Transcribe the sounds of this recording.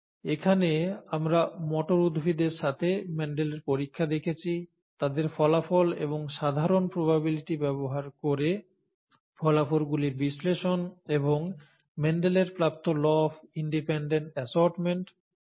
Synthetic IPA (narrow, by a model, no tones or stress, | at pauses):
ekʰaneamɾamɔʈoɾud̪ʱbʱid̪eɾʃat̪ʰemɛɳɖeleɾpoɾikʰːad̪ekʰet͡ɕʰi | t̪ad̪eɾfɔlafolḛβoŋʃad̪ʱaɾonpɾobabiliʈibɛboɦaɾkoɾe | fɔlafolɡuliɾbisleʃoneboŋ | mɛɳɖeleɾpɾap̚t̪olɔfiɳɖipeɳɖeɳʈɛsɔɾʈmeɳʈ